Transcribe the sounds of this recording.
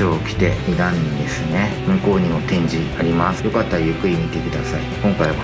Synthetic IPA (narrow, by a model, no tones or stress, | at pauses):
oːkʲi̥t̪e̞mʲiɡ̪ãnːʲid̪e̞sɨne̞mɯ̟ko̞ːɲ̟imo̞t̪ẽ̞ɲ̟d͡ʑiaɾʲimasɨ̥jo̞kat̪ːajɯkɯ̟iɲit̪e̞kɯ̟d̪asaikõ̞ŋkaiβa